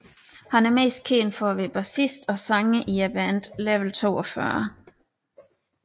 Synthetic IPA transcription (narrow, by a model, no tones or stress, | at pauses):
hænæɐme̝̰ːsd̥̚kʰe̝̰ːnfɒʋeb̥æsisd̥ɒ̽sɑ̈ŋəʔiæb̥ænd̥leʋl̩t͡sʰo̝̰ːɒfɶɐ